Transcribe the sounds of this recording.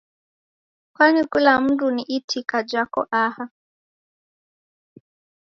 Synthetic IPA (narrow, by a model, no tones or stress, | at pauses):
kwanikulam̩duniʔitʰikad͡ʒakɔ̰ʔaha